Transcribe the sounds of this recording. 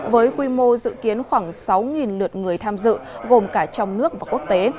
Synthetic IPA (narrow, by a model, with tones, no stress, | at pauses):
vəː˨˦jkwi˧mo˧zɨ̰˧˨ki˨˦ənxwaː˧˩ŋsa˨˦wŋi˨˩nlɨ˨˩ət̚ŋɨ˨˩əjt̪ʰaː˧mzɨ̰˧˨ɣo˨˩mkaː˧˩t͡ɕɔ˧wŋ͡mnɨ˦˥ək̚vaː˨˩ku˦˥ək̚t̪e˨˦